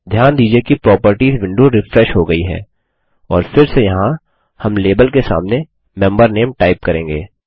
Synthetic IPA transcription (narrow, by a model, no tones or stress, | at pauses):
d̪ʱjaːnd̪iːd͡ʒiekipɾɔːpəɾʈiːzʋɪ̃ɳɖoɾɪfɾɛʃɦoɡɐiɦɛ̰ː | ɔ̰ːɾfɪɾsejɐɦã | hɐmleːbəlkesa̰ːmne | mɛ̃mbəɾneːmʈaːɪp̚kɐɾẽːŋɡḛː